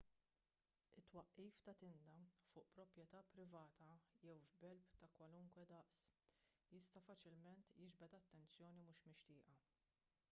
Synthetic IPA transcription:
ɪt̪ːwɐʔːiːft̪ɐt̪ɪnd̪ɐfʊːʔpɾɔpɾjɛt̪ɐpɾɪvɐːt̪ɐjɛwvbɛlpt̪ɐkwɐlʊŋkwɛd̪ɐʔsjɪst̪ɐfɐt͡ʃɪlmɛnt̪jɪd͡ʒbɛt̪ɐt̪ːɛnt͡sjɔːnimʊʃmɪʃt̪ɪːʔɐ

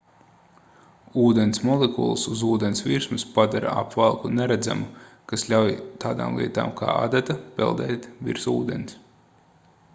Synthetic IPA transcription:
uːd̪ɛnsmɔlˠekṵlˠsuzuːd̪ɛnsviɾsmuspad̪aɾa̰a̰pvalˠkunɛɾæd̪za̰mukaslʲawjt̪aːd̪a̰ːmlˠḭɛt̪a̰ːmkʰa̰ːa̰d̪at̪apɛ̰lˠd̪ɛːt̪vḭɾsṵːd̪ɛns

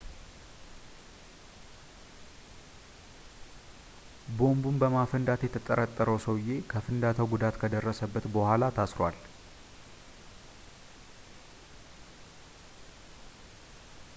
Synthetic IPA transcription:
bo̞mbumbəmafənd̪at̪jɛt̪ʰət̪ʼːəɾət̪ʼːəɾəwsəwje̞kʰəfɨnd̪at̪ʰəwɡud̪at̪kʰəd̪ərːəsəbːət̪bəhʷalat̪ʰasɾwal

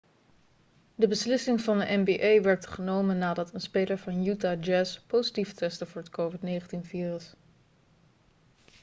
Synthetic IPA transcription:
dəbəslɪsɪŋvɑndəʔɛmbiʔejʋɛɹtχənowmənaːdɑtənspejləɹvɑnjutaːd͡ʒɛspowzitiftɛstəvʊːɹətkowvɪtnejχəntinfiːrɪs

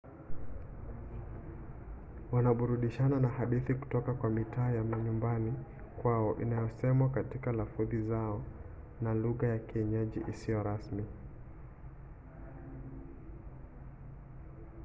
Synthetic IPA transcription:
wanaɓuɾuɗiʃananahaɗiθiku̥tɔkakwamitaːjamaɲumbani | kwaɔʔḭnajɔsɛmwakatikalafuðizaɔ | naluɣajakiɛɲɛʄiʔisijɔɾasmi

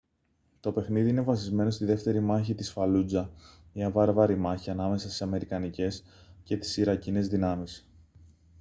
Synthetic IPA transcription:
t̪o̞pe̞xniðiine̞vɐs̬izme̞no̞st̪iðe̞ft̪e̞ɾimɐçit̪isfɐlud͡zɐmiɐvɐɾvɐɾimɐçiɐnɐme̞sɐst̪isɐme̞ɾikɐnice̞sce̞t̪i̥siɾɐcine̞zðinɐmis

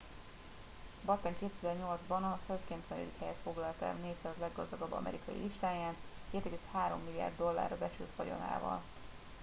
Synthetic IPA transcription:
bɒt̪ːɛŋkeːt̪ɛzɛrɲo̞ld̪zbɒnɒsølskɛmp̪sɛlḭd̪ikhɛjɛt̪fo̞ɡlɒlt̪ɛ̰lneːsɛɒzlɛɡːɒzd̪ɒɡɒbːɒ̰mʔɛ̰ɾikɒjḭliʃt̪aːjaːnkeːt̪ɛɡeːshaːɾo̞̰mːilːija̰ːrd̪ːo̞lːa̰ːrɒbɛt͡ʃylt̪fɒjo̞̰na̰ːvɒ̰l

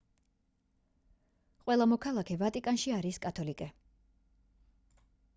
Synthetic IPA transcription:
χʼqʼwɛlˠamɔkʰalˠakʰɛvat̪ʼikʼanʃiaɾiskʼat̪ʰɔlikʼɛ

